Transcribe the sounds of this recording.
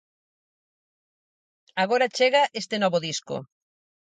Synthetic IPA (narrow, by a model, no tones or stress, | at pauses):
aɣoɾat͡ʃeɣaʔest̪enɔβoðisko̰